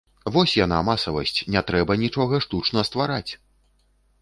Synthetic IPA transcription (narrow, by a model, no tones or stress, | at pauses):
vɔsʲjana̰masɐvɐ̰sʲt͡sʲnʲɛt̪ɾɛbɐnʲit͡ʂɔɣɐʂt̪ut͡ʂnɐst̪vaɾat͡sʲ